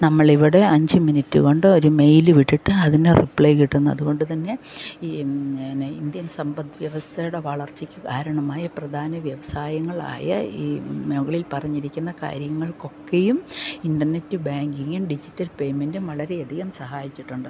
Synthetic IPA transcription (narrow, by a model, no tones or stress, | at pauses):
nɐmːɐɭiʋiɽe̞ɐɲd͡ʑɨminitːɨɣo̞ɳɖɨo̞ɾume̞jlɨʋiʈːiʈːɨɐðinderḭpɭejkiʈːunːuɐ̰ðuɣo̞ɳɖɨt̪ɐnːe̞ | ind̪jɐnsɐmbɐd̪ʋjɐʋɐst̪ʰɐjuɽe̞ʋɐɭɐrt͡ɕikʲːɨkaːɾɐɳɐmaːjɐprɐd̪ʱaːnɐʋjɐʋɐsaːjɐŋːɐɭa̰ːjɐ̰iːmeɣɐɭilpɐrɐɲːiɾikʲːunːɐka̰ːɾjɐŋːɐɭko̞kːejuminɖɐrne̞tːɨbaːŋɡiŋːumɖid͡ʑitːɐlpe̞jme̞ndumʋɐɭɐɾe̞ɐd̪ʱiɣɐmsɐhaːjit͡ɕːiʈːuɳɖɨ